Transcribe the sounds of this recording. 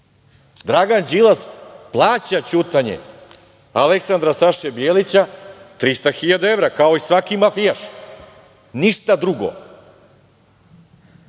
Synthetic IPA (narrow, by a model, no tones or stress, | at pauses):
d̪ɾaɡand͡ʑilasplˠaːt͡ɕat͡ɕut̪aɲḛ | aleksand̪ɾasaʃebjeːlit͡ɕat̪ɾist̪axiʎad̪ae̞vɾakao̞isʋakimafijaʃ | niʃt̪ad̪ɾuɡo̰